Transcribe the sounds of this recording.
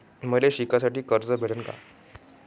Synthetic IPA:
məleɕikasaʈiːkəɾd͡zəbʱeɽənka̰

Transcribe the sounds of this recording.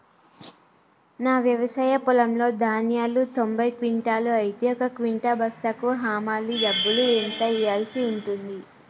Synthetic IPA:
naːʋjɐʋɐsaːjɐpulɐmlo̞ːd̪ʱaːnjaːlut̪o̞mbʱɐjkʋiɳʈaːluɐjt̪jɔkɐkʋiɳʈaːbʱɐst̪ɐkʋɐɦaːmaːlːiɖɐbːuluent̪ɐijaːlsiuɳʈund̪i

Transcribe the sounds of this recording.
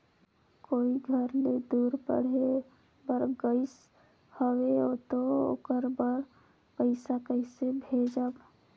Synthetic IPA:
koːiɡʱəɾned̪uːɾpə̰ɽ̤e | bəɾɡəɪs | həweot̪oo̰ːkəɾbəɾ | pəɪsakəɪsebʱeːd͡ʒəb

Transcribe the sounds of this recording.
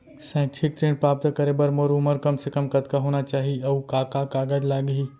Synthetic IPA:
sɛ̃ʈʰik̚t̪ɾẽːnpɾaːp̚t̪əkɐɾebəɾmoɾʊməɾkɐmsekəmkɐt̪kaɦoːñat͡ʃaːɦiɐwkaːkakaːɡaːd͡ʒlaːɡɦi

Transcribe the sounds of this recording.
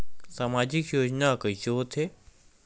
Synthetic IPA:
samaːd͡ʑɪkjoːd͡ʑnakəiʃoːt̪ʰeː

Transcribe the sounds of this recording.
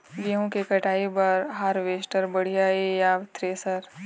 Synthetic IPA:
ɡiɦõkekɐʈaːibɐɾɦaːɾʋeːsʈəɾbɐɽ̤ijaejaːʋt̪ʰɾeːsəɾ

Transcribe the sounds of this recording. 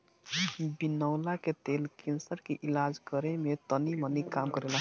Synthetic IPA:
binəʊlaket̪elkensəɾkeʔilad͡ʒkəɾemet̪ənimənikamkʌɾela

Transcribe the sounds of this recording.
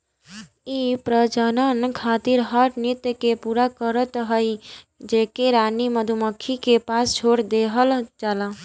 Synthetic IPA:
ipɾəd͡ʒənənkʰat̪iɾɦəʈnit̪jkepuɾakəɾət̪ɦəj | d͡ʒekeɾaniməd̪ʱuməkʰːikepast͡ʃʰoɾd̪eɦəld͡ʒala

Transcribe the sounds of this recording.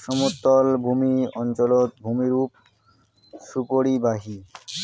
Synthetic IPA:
ʃɔmut̪ːɔlbʱumiɔnt͡ɕolot̪̚bʱumiɾup | ʃupoɽibaɦi

